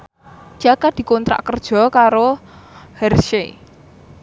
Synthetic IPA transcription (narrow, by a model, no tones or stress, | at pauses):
d͡ʒ̥akad̪̥i̤kɔnt̪ɾa̰ʔkərd̥ʒ̥ɔ̤kaɾo | hɛrʃe